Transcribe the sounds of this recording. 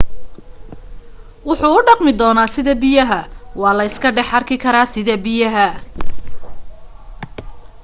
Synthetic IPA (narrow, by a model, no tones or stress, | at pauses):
wʊħuːʊɖɑqmɪd̪ɔːnaːsɪðɐbɪjɐɦɐwɑːlɐɪskʰɐɖɛħɐrkʰɪkʰɐɾaːsɪðɐbɪjɐɦɐ